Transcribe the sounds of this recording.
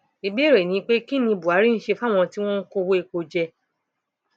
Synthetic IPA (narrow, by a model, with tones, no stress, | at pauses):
i˧be˦ɾe˨nĩ˨˦k͡pe˦ki˦nĩ˧bu˨a˨˦ɾi˦n̩˦ʃe˧fa˦˨w̃ɔ̃˧ti˦w̃ɔ̃˦n̩˦ko˧wo˦e˧k͡po˧d͡ʒɛ˧